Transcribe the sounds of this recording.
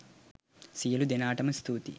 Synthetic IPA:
sijɐlud̪enaːʈɐmɐst̪ʰuːt̪ḭ

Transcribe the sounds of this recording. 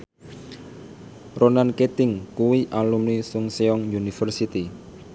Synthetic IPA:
ronanket̪ɪŋkuwiʔalumnisʊŋseɔŋjunifərsit̪i

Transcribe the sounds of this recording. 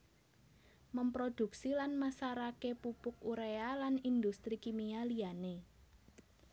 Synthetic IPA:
məmpɾod̪̥ṳksilanmasaɾakepupʊk̚uɾealanind̪ust̪ɾikimialiane

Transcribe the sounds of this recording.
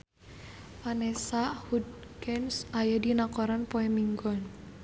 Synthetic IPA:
fanesaʔhud̚kɛnsajadinakɔɾanpɔɛmiŋɡɔn

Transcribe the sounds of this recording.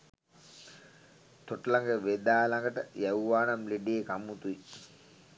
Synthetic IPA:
t̪oʈəlaŋɡəʋed̪aːlaŋɡəʈəjæwʋaːnamleɖeːkamːut̪ui

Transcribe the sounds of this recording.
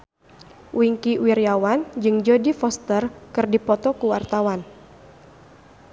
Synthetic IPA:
wiŋkiwirjawand͡ʒɨŋd͡ʒɔdifɔst̪ərkɨrdipɔt̪ɔkuwart̪awan

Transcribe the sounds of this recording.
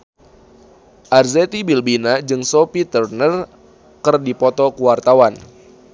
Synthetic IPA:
ʔarzet̪ibilbinad͡ʒɨŋsopit̪ərnər | kɨrdipɔt̪ɔkuwart̪awan

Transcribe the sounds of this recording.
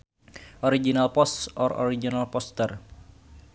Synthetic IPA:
ʔɔɾid͡ʒinalpɔsɔrɔ̰ɾid͡ʒinalpɔst̪ɛr

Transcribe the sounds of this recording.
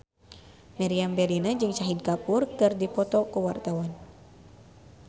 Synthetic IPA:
maɾiambɛlinad͡ʒɨŋt͡ʃaɦid̚kapurkɨrdipɔt̪ɔkuwart̪awan

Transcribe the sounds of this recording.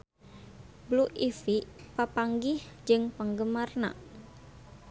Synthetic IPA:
bluʔifipapaŋɡihd͡ʒɨŋpəŋɡəmarna̰

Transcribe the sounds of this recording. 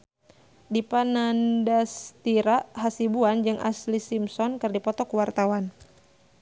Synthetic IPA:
dipanandast̪iɾaɦasibuand͡ʒɨŋʔa̰slisimsɔnkɨrdipɔt̪ɔkuwart̪awan

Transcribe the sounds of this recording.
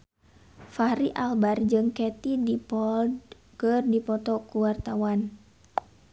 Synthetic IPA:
faɾiʔalbard͡ʒɨŋkɛt̪idipɔld | kərdipɔt̪ɔkuwart̪awan

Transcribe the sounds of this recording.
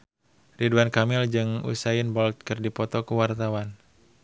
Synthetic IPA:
riduankamɪld͡ʒɨŋṵsajɪnbɔlt̪̚kɨrdipɔt̪ɔkuwart̪awan

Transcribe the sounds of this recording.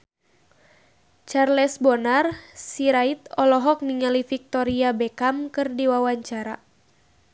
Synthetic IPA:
t͡ʃarlɛsbɔnarsiɾait̪ɔlɔɦɔk̚niŋalifik̚t̪ɔɾiabɛkamkɨrdiwawaɲt͡ʃaɾa̰

